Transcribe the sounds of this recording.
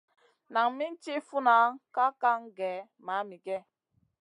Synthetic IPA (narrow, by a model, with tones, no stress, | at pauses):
na˨ŋ˦mi˦n˦ti˦fu˦na˨˦ka˦ka˦ŋ˦ɡɛ˨˦ | ma˨˦mi˨ɡɛ˦